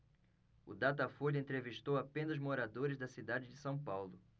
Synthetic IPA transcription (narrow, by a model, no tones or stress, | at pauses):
ʊ̰d̪at̪ɐfoʎɐẽnt̪ɾeviʃt̪owapẽnɐʊzmoɾad̪oɾɪzd̪ɐsid̪ad͡ʒɪd͡ʒɪsɐ̃w̃pawlʊ